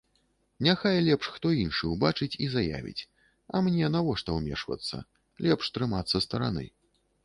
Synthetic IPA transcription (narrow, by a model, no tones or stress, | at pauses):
nʲaxajlʲɛpʂxt̪ɔinʂɨwbat͡ʂɨt͡sʲizaja̰vʲḭt͡sʲ | ɐmnʲɛnavɔʂt̪ɐwmʲɛ̰ʂvɐ̰t̪sːɐ̰ | lʲɛpʂt̪ɾɨmat̪sːɐst̪ɐɾa̰nɨ̰